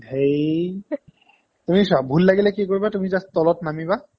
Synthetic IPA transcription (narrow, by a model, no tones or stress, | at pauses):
hej | tumisabʱulːaɡilɛkikoɹibatumizastɔlɔtnamiba